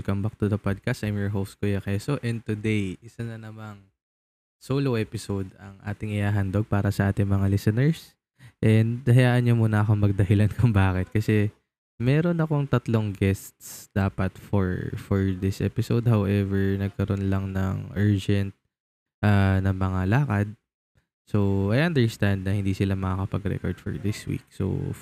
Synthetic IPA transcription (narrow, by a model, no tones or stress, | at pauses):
kɐmbɐk̚t̪ʊd̪ɐpod̪̚kɐst̪ʔajmjɔɹɦowskojɐkɛsoʔɛnd̪̚t̪ʊd̪ejʔɪsɐnɐnɐmaŋ | soːlowʔɛːpɪsod̪ɐŋʔa̰ːt̪ɪŋɪhaːɦɐnd̪oɡ̚paːɾɐsɐʔaːt̪ɪŋmɐŋalɛsɛnɛɹs | ʔɛnd̪hɐjaːʔɐnɲomuːnɐɐkoŋmɐɡ̚d̪ɐɦɪlankʰʊmbaːkɪt̪̚kɐsɛ | mɛːɾo̞nɐko̞ŋt̪ɐt̪loŋɡɛst̪sd̪̥aːpɐt̪foɹfɔɹd̪ɪsʔɛ̰pɪsowd̪̚hawʔɛvɛɹnɐɡ̚kɐɾo̞nlɐŋnɐ̰ŋʔɛɹd͡ʒɛnt̪̚ | ʔaːnɐŋmɐŋalaːkɐd̪̚ | soʔajʔɐnd̪ɛɹst̪and̪̚nɐhɪ̃nd̪iːsɪlamɐkakɐpɐɡɾɛ̰kɔɹd̪̥fɔ̰ɹd̪ɪswḭːk̚so̰